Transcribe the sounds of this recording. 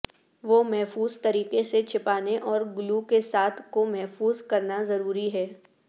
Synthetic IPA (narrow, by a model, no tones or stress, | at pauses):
ʋoːmɛɦfuːzt̪ɐɾiːqeset͡ʃʰɪpaːneʔɔːɾɡʊlukesaːt̪ʰkomɛɦfuːzkɐɾnazɐɾuːɾiɦɛː